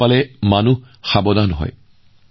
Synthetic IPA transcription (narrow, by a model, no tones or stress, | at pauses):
alɛmanu | xabɔd̪anɦɔ̰j